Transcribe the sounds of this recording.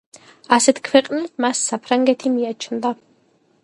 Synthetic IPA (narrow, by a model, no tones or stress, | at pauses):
asɛt̪ʰkʰwɛqʼnɛmasːapʰɾaŋɡɛt̪ʰimiat͡ʃʰnd̪a